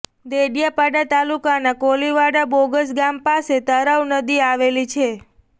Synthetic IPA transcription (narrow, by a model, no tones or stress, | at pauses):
d̪eɖjapaɖat̪alukanakoliʋaɽaboɡəsɡampaset̪əɾaʋnəd̪iaʋelit͡ʃʰe